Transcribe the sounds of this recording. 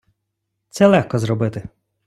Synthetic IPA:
t̪sɛlˠɛxkɔzɾɔbɪt̪ɪ

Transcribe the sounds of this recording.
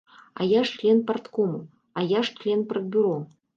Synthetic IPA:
a̰jaʂt͡ʃlʲɛnpɐrt̪kɔmu | ajaʂt͡ʃlʲɛnpɾɐd̪̚bʲuɾɔ

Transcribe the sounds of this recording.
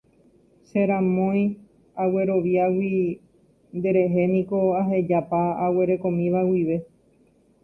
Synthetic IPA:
ʃeɾãmõ̞j̃ | awe̞ɾo̞ʋjawi | nd̪e̞ɾe̞ɦe̞nĩko̞aɦe̞d͡ʒapaawe̞ɾe̞kõ̞mĩʋawiʋe̞

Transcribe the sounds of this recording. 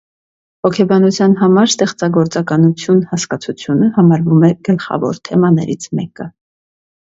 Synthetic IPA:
hɔkʰɛbɑnut͡sʰjɑnɦɑmɑɾst̪ɛχt͡sɑɡɔɾt͡sɑkɑnut͡sʰjunhɑskɑt͡sʰut͡sʰjunəhɑmɑɾvumɛɡ̥əlχɑ̰vɔ̰ɾt̪ʰɛmɑnɛ̰ɾit͡sʰmɛkə

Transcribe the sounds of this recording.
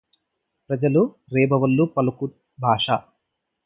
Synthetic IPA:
pɾɐd͡ʒɐlu | ɾɛːbɐʋɐlːupɐlɐku | bʱaːʂaː

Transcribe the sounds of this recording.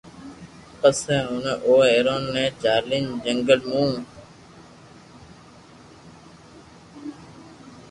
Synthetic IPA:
pəsẽːɦʊnʔoːeːɾoːnːẽːt͡ʃaːɾlɪnd͡ʒəŋɡəlmũː

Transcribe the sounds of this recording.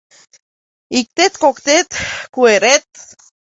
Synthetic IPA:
ik̚t̪et̪kokt̪et̪kueɾet̪̚

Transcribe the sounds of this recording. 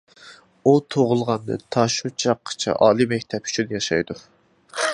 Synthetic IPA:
ut̪ʰoʁʊlˠʁɑnd̪ɨ̰t̪ʰɑʃut͡ʃʰɑqʰːə̥t͡ʃʰɛ̰ʔɑːlˠimɛk̚ʲt̪ʰɛpy̥t͡ʃʰynjɑʃɑ̰jd̪u

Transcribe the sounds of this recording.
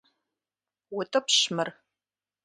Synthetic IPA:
wʊtʰʼɐpʰɕmɨr

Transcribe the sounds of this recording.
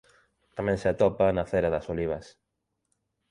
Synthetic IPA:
t̪amɛ̃ŋseat̪ɔpanaθeɾaðɐsoliβ̞ɐs

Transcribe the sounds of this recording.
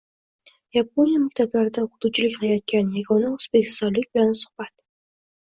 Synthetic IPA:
jap̚onijamakʲt̪ʰablaɾɪd̪aχʊd̪ʊt͡ʃʰɪlɪkʲqɨlajɒt̪̚kʲanjaɡɒnaʊz̥bekʲʰɪ̥st̪ɒnlɪkʲbɪlansʊ̥χb̥at̪

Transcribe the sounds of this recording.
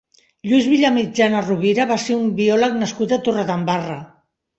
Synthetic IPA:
ʎujzβiʎamid͡ʒanaruβiɾaβaseumbiɔləknəskut̪at̪uraðambarə

